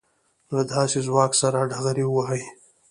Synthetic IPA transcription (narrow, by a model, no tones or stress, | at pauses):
lad̪ɑːsizwɑːksaɾaɖaɣaɾiwaɦaj